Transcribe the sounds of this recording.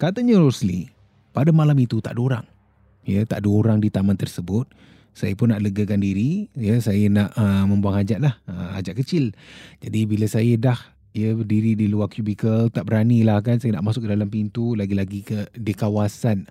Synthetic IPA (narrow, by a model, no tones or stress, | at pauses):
kat̪əɲəɾosli | padamalamit̪ut̪aʔdoɾa̰ŋ | jət̪a̰ʔdoɾaŋdit̪amant̪ərsəbʊt̪̚ | sajəpʊnːaʔləɡəkandiɾijəsajənaʔəmə̃mbuaŋad͡ʒaʔ̪̚lahəa̰d͡ʒaʔkət͡ʃɪld͡ʒadibiləsajədah | ijəədiɾidiluarkjubikəlt̪aʔbəɾanilahkansajəna̰ʔmasʊk̚kədalampint̪ulaɡilaɡikədikawasan